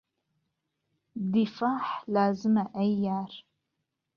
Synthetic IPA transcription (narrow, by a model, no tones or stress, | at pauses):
difaːħlaːzɨmɐʔɐjaːr